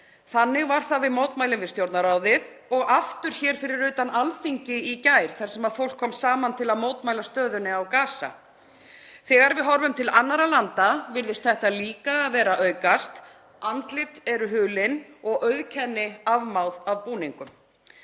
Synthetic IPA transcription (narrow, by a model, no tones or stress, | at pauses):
θanːɪɣvaɾ̥θavɪðmoːwt̪majlɪnvɪðst̪jowɾt̪naɾaːwðɪðɔɣaft̪ʏɾ̥çɛːɾ̥fɪɾɪɾʏːt̪analfiɲcɪicaːjɾ̥θaɾ̥sɛmaðfowl̥kʰːɔmsaːmant̪ʰɪlaðmoːwt̪majlast̪œːðʏnɪawkaːsa̰ | θɛːɣaɾvɪðɦɔɾvʏmt̪ʰɪlanːaɾalant̪avɪɾðɪst̪θɛht̪aliːkaːðvɛːɾaʔœɥkast̪ | ant̪lɪt̪ɛɾʏɦʏːlɪnɔɣʔœɥðcʰɛnːɪavmawðavpuːniŋkʏm